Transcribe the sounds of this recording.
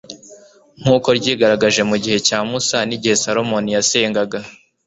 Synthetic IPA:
ŋ̥uːko̞ɾɟiːɡaɾaɡaʒe̞muɟihe̞caːmusaniɟihe̞saɾo̞mo̞nijase̞ːŋɡaɡa

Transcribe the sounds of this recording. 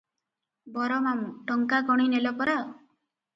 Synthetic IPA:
bɔɾɔmamuʈɔŋkaɡɔɽ̃inelɔpɔɾa

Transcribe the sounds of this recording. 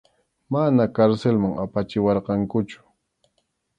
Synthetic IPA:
manakaɾselmaŋapat͡ʃɪwɑɾqɑŋkʊt͡ʃʊ̥

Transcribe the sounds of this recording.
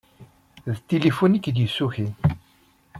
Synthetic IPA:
ðt̪ːilifunikd̪jəsːuçi

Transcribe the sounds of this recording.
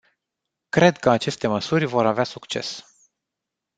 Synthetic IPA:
kɾe̞d̪kəat͡ʃe̞st̪e̞məsurʲvo̞ɾaveasukt͡ʃe̞̰s

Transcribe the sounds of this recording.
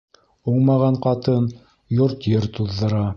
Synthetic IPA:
uɴmɑʁɑɴqɑt̪ɤn | joɾt̪jɘɾt̪uðːɤ̆ɾɑ

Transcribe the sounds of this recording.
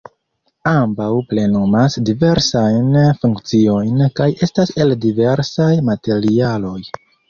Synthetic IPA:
ambawple̞nomasdive̞ɾsajnfuŋkt͡sio̞jnkaje̞stase̞ldive̞ɾsajmate̞ɾialo̞j

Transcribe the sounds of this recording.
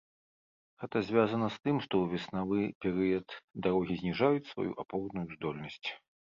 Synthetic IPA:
ɣɛt̪ɐzʲvʲazɐnɐst̪ɨmʂt̪ɔwvʲɛsnavɨpʲɛɾɨjɐt̪d̪aɾɔɣʲizʲnʲiʐajut͡sʲsva̰jṵʔapɔwd̪nujuzd̪ɔlʲnɐsʲt͡sʲ

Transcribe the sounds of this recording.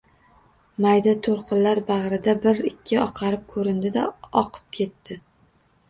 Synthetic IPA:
majd̪at̪ʰoɾqʰɨnlaɾbɑʁɾɪd̪abɪɾɪkʲʰːɪɒqʰɑɾɪp̚kʰɵɾɪnd̪ɪd̪aɒqʰɨ̥p̚kʲʰe̞t̪ʰːɪ

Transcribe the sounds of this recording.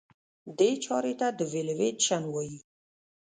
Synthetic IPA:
d̪et͡ʃɑɾet̪ad̪əvelewet̪ʃanwɑji

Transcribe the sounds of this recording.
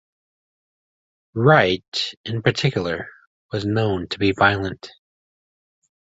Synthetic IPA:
ɹaɪɾɨ̃npʰə˞tʰɪkjl̩ˠə˞ | wʌznõʊ̃ntʰəbivaɪlˠə̃nt

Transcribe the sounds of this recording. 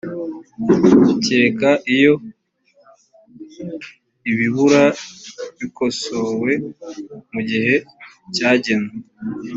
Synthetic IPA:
uce̞ːkaʔijo̞ | iβiβuɾaβiko̞so̞we̞ | muɟihe̞ | caːɟe̞ne

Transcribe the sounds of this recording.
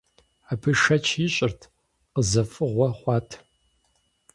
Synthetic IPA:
aːpʰɨʂɐt͡ʃʰjɪɕʼɪrtʰ | qəzɐfʼɨʁʷɔχʷɑːtʰ

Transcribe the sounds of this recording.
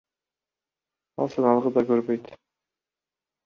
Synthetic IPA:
ɑ̰lˠsɑnɑlˠʁəd̪ɑkɵɾbøjt̪

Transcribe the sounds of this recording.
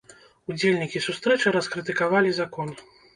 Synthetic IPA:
ud͡zʲelʲnʲikʲisust̪ɾɛt͡ʂɨɾɐskɾɨt̪ɨkavalʲizakɔn

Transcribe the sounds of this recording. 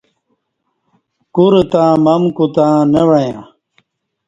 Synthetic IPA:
kuɾt̪ãːmɐmkut̪ãːnewɐjã

